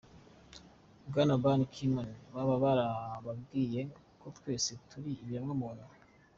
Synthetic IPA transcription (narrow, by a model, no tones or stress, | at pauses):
bɡanabanikʰimanβaβaβaɾaβabɡiːje̞ | kotkwe̞ːsetuɾiːβjamŋamoɾa